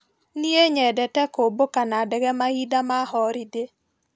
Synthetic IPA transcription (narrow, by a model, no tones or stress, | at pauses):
nieɲɛdɛtɛkobokanadɛɡɛmahidamahɔɾide